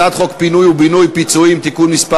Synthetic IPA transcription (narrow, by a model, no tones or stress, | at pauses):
ad̪χo̞kpinujubinujpit͡suimt̪ikunmispa